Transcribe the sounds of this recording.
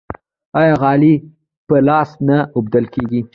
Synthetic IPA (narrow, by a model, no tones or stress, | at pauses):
ɑjɑɣɑli | pəlɑsnaʔʊb̚d̪alkeɡi